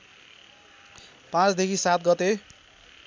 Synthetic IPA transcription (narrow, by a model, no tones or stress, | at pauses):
pãt͡sd̪ekʰisat̪̚ɡʌt̪e